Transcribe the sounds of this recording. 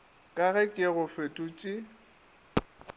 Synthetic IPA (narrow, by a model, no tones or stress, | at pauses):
kʼaɣɛkʼɪɣʊfetʼʊt͡ʃʼɪ